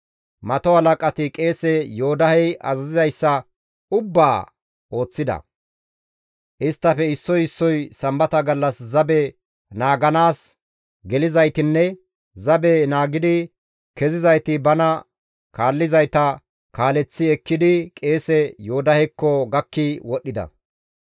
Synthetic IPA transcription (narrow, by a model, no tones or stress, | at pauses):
mɐt̪ɔhɐlɐkʼɐt̪ɪkʼe̞ːsɛjo̞ːd̪ɐhɛjʔɐ̰zɐzɪzɐjsːɐ | ʊbːaː | o̞ːt͡sːɪd̪ɐ̰ | ʔɪst̪ːɐfɛɪsːɔjɪsːɔjsɐmbɐt̪ɐɡɐlːɐszɐbɛ | naːɡɐnaːs | ɡɛlɪzɐjt̪ɪnːɛ | zɐbɛnaːɡɪd̪ɪ | kɛzɪzɐjt̪ɪbɐnɐ | kaːlːɪzɐjt̪ɐ | kaːlɛt͡sːɪɛkːɪd̪ɪkʼe̞ːsɛjoːd̪ɐhɛkːɔɡɐkːɪwɔɗːɪd̪ɐ̰